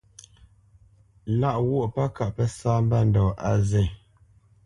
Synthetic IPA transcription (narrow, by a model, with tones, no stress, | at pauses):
la˦˨ʔwɔ˦˨ʔpa˦ka˨ʔpɛ˦saː˦m̩˦ba˦˨n˨dɔː˨a˨zɛ˦˨